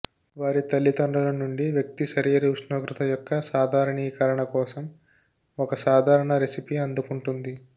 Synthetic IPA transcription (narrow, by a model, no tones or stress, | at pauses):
ʋaːɾit̪ɐlːit̪ɔɳɖɐlɐnːuɳɖiʋjɐk̚t̪isɐɾiːɐɾiuʂnoːkɾut̪ʰɐjɔkːɐsaːd̪ʱaːɾɐɳiːkɐɾɐɳɐkɔːsɐm | ɔkɐsaːd̪ʱaːɾɐɳɐɾesipiɐnd̪ukuɳʈund̪i